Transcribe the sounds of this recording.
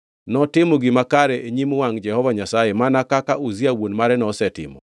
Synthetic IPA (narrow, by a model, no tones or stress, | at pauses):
nɔtɪmoɡɪmakaɾɛeɲimowaŋd͡ʒɛhɔvaɲasajemanakakaʔoziawonmaɾɛnɔsɛtɪ̰mɔ̰